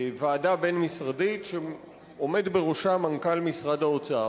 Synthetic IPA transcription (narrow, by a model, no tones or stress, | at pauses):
vaːdabe̞nmisʁaditʃe | o̞me̞dbeʁoʃamaŋkalmisʁadao̞t͡saa